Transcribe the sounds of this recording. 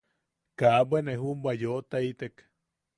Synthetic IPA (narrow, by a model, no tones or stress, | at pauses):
kaʔbʷeneɦumbʷajoʔt̪ait̪ek